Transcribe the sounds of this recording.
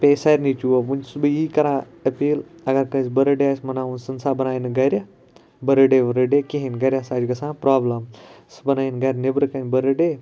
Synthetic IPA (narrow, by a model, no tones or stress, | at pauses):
pʲeːsaːɾʲnit͡ʃuɐʋunʲsbɨiːkɐɾãː | ɐpiːlɐɡɐɾkɐ̃sbɐɾɐɖeaːsmɐnaːunsɐnsaːbɐnaːjinɨɡɐɾʲɐ | bɐɾɐɖeʋɐɾɐɖekʲiɦinɡɐɾʲãːsaːd͡ʒɡɐsãːpɾaːblɐm | sbɐnaːinɡɐɾʲnebɾɨkɐnʲbɐɾɐɖeː